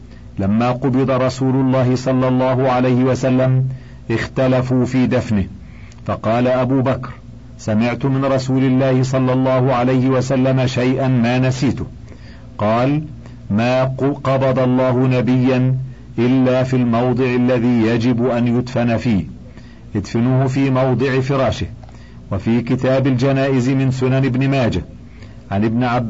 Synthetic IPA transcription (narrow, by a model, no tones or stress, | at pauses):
lamːaːqʊbɨd̪ˤɑɾˤɑsuːlʊlˤːɑːɦɪsˤɑlːɑlˤːɑːɦʊʕalajhɪwasalːam | ʔɪxt̪alafuːfiːd̪afnɪh | fɑqɑːlaʔabuːbakɾ | samɪʕt̪ʊmɪnɾˤɑsuːlɪlːaːhɪsˤɑlːɑlˤːɑːhʊʕalajhɪwasalːamaʃajʔanmaːnasiːt̪ʊ | qɑːl | maːqɑbɑd̪ɑlˤːɑːɦʊnabɪjːan | ʔɪlːaːfilmɑwd̪ˤɨʕɪlːaðiːjad͡ʒɪbʔanjʊd̪fanafiːh | ʔɪd̪fɪnʊhʊfiːmɑwd̪ˤɨʕɪfɪɾˤɑːʃɪh | wafiːkɪt̪aːbɪld͡ʒanaːʔɪzɪmɪnsʊnanɪbnɪmaːd͡ʒa | ʕanɪbnɪʕab